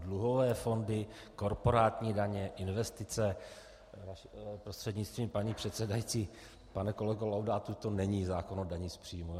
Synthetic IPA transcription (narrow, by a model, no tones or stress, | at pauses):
dluɦo̞vɛːfo̞ndɪ | ko̞ɾpo̞ɾaːt̪ɲiːdaɲɛʔɪnvɛst̪ɪt͡sɛ | napɾost̪r̥ɛdɲɪt͡st̪viːmpaɲiːpr̝̥ɛt̪sɛdajit͡siː | panɛko̞lɛɡolawdat̪ut̪o̞nɛɲiːzaːko̞nodaɲispr̝̥iːmu